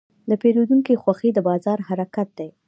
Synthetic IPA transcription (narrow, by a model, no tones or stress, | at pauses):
d̪əpelod̪uŋkexwaxed̪əbɑzɑɾhaɾakat̪̚d̪aj